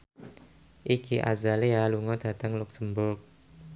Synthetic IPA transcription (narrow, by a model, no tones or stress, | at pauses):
ʔikiʔa̰zalealuŋɔd̪̥ä̤t̪aŋlʊk̚səmbʊrk̚